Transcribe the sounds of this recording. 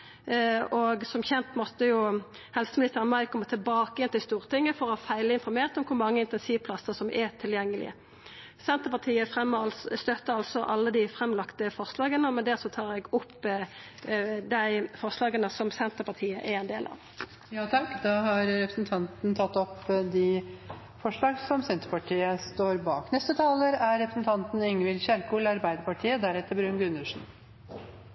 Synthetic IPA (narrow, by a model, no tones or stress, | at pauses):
ɔɡsɔmçɛnt̪mɔt̪ːəjʊ | hɛlsəmɪnɪst̪əʁənmɑɪkʰɔmːət̪ʰɪlbɑːkəjɛnt̪ɪlst̪uːʁt̪ɪŋːəfɔʁɔfæɪləɪnfɔɾmeːʁt̪ɔmkʰʊɾmɑŋːəɪnt̪ɛnsiːʋpʰlɑsəsɔmʔɛt̪ʰɪljɛŋːəlɪ̰ə̰ | sɛnt̪əpɑt̪ʰiːəfʁɛmːɑlsst̪œt̪ːəɑlsɔʔɑlːəd̪ɪfʁɛmːlɑkt̪əfɔʁslɑːɡənɔmɛnd̪æɾsɔt̪ʰɑːʁɛɡʊpː | d̪æɪfɔʁslɑːɡənəsɔmsɛnt̪əpɑʁt̪ʰiːəʔɛɛnd̪eːlʔɑ̰ʋ | jɑːt̪ʰɑkːd̪ɑːhɑɾɾɛpɾəsn̩t̪ʰɑnt̪nt̪ʰɑt̪ːɔpd̪ɪ | fɔʂɭɑːɡsɔmsɛnt̪əpɑʈʰiːəst̪oːɾbɑːknɛst̪ət̪ʰɑːləɾæɾɾɛpɾəsn̩t̪ʰɑnt̪n̩ɪŋʋɪlçæɾkulɑɾbæɪd̪əɾpɑʈʰiːəd̪æɾɛt̪ːəɾbɾʉnɡʉnʉʂɳ̩